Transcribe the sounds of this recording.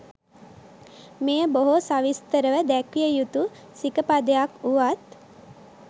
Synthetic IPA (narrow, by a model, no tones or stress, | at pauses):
mejəboɦosaʋist̪əɾəʋəd̪ækijəjut̪u | sikəpad̪əjakuʋat̪̚